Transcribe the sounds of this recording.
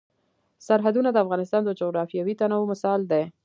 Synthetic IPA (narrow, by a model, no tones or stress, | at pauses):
saɾɦad̪unad̪əafɣɑnɪst̪ɑnd̪əd͡ʒoɣɾɑfjɑwit̪anawmʊsɑld̪e